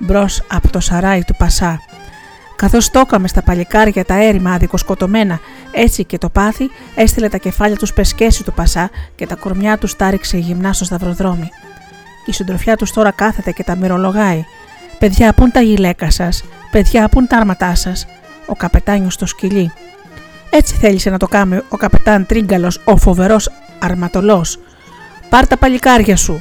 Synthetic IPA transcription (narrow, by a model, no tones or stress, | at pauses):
bɾo̞sɐpo̥t̪o̞sɐɾɐit̪upɐsɐ | kɐθo̞st̪o̞kɐme̞st̪ɐpɐʎikɐɾʝɐt̪ɐe̞ɾimɐðiko̞sko̞t̪o̞me̞nɐ | e̞t͡sice̞t̪o̞pɐθi | e̞st̪ile̞t̪ɐce̞fɐʎɐt̪uspe̞sce̞sist̪upɐsɐce̞t̪ɐkoɾmɲɐt̪ust̪ɐɾikse̞ʝimnɐst̪ost̪ɐvɾo̞ðɾo̞mi | isind̪ɾofçɐt̪ust̪o̞ɾɐkɐθe̞t̪e̞ce̞t̪ɐmiɾo̞lo̞ɣɐi | pe̞ðʝɐːpunt̪ɐʝile̞kɐsɐspe̞ðʝɐːpunt̪ɐɐɾmɐt̪ɐsɐs | o̞kɐpe̞t̪ɐɲost̪osciʎi | e̞t͡si̥θe̞ʎise̞nɐt̪o̞kɐmeo̞kɐpe̞t̪ɐnt̪ɾiŋɡɐlo̞so̞fo̞ve̞ɾo̞s | ɐɾmɐt̪o̞lo̞s | pɐɾt̪ɐpɐʎikɐɾʝɐsu